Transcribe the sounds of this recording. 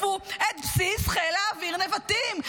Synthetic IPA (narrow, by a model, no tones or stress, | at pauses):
fuet̪̚psisχelaːviʁnevat̪im